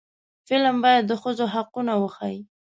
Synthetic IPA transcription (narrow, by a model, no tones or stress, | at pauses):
fɪlambɑjad̪ːəxəzoɦaqunawəxa̰ji